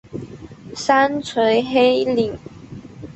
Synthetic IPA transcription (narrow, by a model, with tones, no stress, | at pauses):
sa˦nt͡sʰwe˧˥ɪxe˦ɪli˨˩ŋ